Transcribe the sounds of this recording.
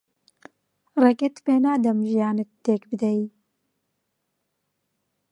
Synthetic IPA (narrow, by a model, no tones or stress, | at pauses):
rɛket̪peːnaːd̪ɐmʒijaːnɨt̪ːeːkbɨd̪ɛji